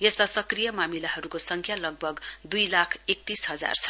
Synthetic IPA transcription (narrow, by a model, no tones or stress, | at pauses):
jʌst̪asʌkrijʌmamilaɦʌɾukosʌŋkʰjalʌɡ̚bʱʌɡd̪ujlakʰek̚t̪isɦʌd͡za̰rt͡sʰʌ̥